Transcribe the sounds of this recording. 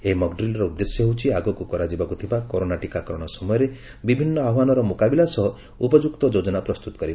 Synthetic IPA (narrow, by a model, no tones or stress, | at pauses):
eɦimɔɡɖɾilɔɾɔud̪ːesjɔɦewut͡ʃʰiaɡɔkukɔɾad͡ʒibakut̪ʰibakoɾonaʈikakɔɾɔɽ̃ɔsɔmɔjɔɾe | bibʱinːɔaɦanɔɾɔmokabilasɔɦɔ | upɔd͡ʒukt̪ɔd͡ʒod͡ʒɔnapɾɔst̪ut̪ɔ̥kɔɾiba